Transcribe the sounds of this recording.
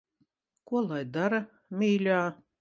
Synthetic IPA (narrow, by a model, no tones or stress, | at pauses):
kuɔlˠajd̪aɾɐ | mʲiːlʲaː